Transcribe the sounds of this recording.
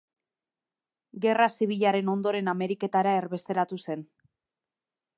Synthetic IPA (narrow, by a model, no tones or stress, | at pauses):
ɡe̞rasiβ̞iʎaɾe̞no̞nd̪o̞ɾe̞name̞ɾike̞t̪aɾae̞rβe̞st̪e̞ɾat̪use̞n